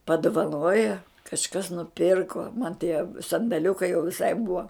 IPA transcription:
pɐdʊʋɐˈnoːjɛ kɐʃˈkɐs nʊˈpʲɪrkoː mɐn tʲiɛ sɐndɐˈlʲʊkɐɪ jɛʊ ʋʲɪˈsɐɪ bʊɐ

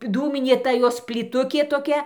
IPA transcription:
ˈduːmʲɪnʲeː ˈtɐ ˈjoːs pʲlʲiːˈtʊkʲeː toːˈkʲɛ

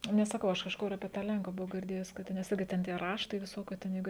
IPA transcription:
nʲɛs sɐˈkɐʊ ˈɐʃ kɐʃˈkʊr ɐpʲiɛ ˈtɑː ˈlʲɛŋkʊ bʊˈʋɐʊ ɡʲɪrʲˈdʲeːjʊs kɐt ˈtʲɛn ˈɪɡʲɪ ˈtʲɛn tʲiɛ ˈrɑːʃtɐɪ ʋʲɪˈsoːkʲuː tʲɛn jɛɪˈɡʊ

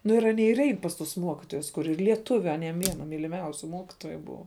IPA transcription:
nʊ ɪr ɐˈnʲiɛ ɪr ˈɛɪn pɐs tʊs ˈmuɔkʲɪtoːjʊs kʊˈrʲɪ lʲiɛˈtʊʋʲʊ ɐˈnʲiɛm ˈʋʲiɛnɐ mʲiːlʲɪˈmʲɛʊsʲʊ ˈmuɔkʲɪtoːjʊ ˈbʊʋɐ

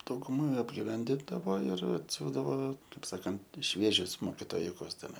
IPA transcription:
dɐʊɡʊˈmɐ ɐbʲɡʲɪˈʋʲɛnʲdʲɪndɐʋoː ɪr ɐtʲˈsʲuːzdɐʋoː ˈkɐɪp ˈsɑːkɐnt ˈʃʲʋʲiɛʒʲʊs moːkʲɪtoːˈjʊkʊs tʲɛˈnɐɪ

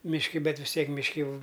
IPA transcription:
mʲɪʃʲˈkʲɪ ˈbʲɛt ʋʲɪs ˈtʲiɛk mʲɪʃʲˈkʲɪ ˈjɛʊ

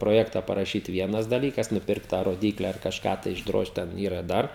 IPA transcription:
proːˈjæːktɐ pɐrɐˈʃʲiːt ˈʋʲiɛnɐs dɐˈlʲiːkɐs nʊˈpʲɪrkt tɑː roːˈdʲiːklʲɛ ɐr kɐʃˈkɑː tɐɪ ɪʒˈdroːʃt ˈtʲɛn ˈiːrɐ ˈdɐr

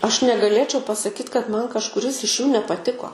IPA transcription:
ɐʃ nʲɛɡɐˈlʲeːt͡ʃʲɛʊ pɐsɐˈkʲiːt kɐt ˈmɐn kɐʃkʊˈrʲɪs ɪʃ juː nʲɛpɐˈtʲɪkoː

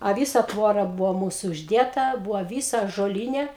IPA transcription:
ɐ ˈʋʲiːsɐ ˈtʋoːrɐ ˈbʊʋoː ˈmuːsʊ ʊʒʲˈdʲeːtɐ ˈbʊʋoː ˈʋʲiːsɐ ɑːʒoːˈlʲiːnʲɛ

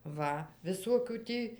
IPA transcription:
ˈʋɐ ʋʲɪˈsoːkʲuː ˈtʲiː

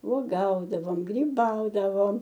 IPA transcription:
uɔˈɡɐʊdɐʋoːm ɡrʲiːˈbɐʊdɐʋoːm

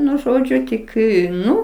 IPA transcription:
ˈnʊ ˈʒoːd͡ʒʲʊ ˈtʲɪk ɪ ˈnʊ

